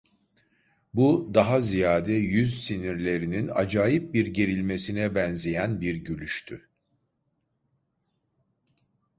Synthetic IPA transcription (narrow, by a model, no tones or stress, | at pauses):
bud̪aɦazijaːd̪ɛjyzsiniɾlʲe̞ɾinina̰d͡ʒaːjip̚biɾɟe̞ɾilʲme̞sinɛbɛnzejænbiɾɟølʲyʃt̪ʰy